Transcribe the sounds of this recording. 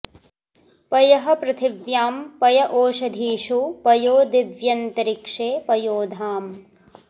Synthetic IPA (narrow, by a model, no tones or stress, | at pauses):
pɐjɐɦɐ̆pɾɐt̪ʰɪʋjaːmpɐjɐʔoːʃɐd̪ʱiːʂupɐjoːd̪iʋjɐnt̪ɐɾikʂeːpɐjoːd̪ʱaːm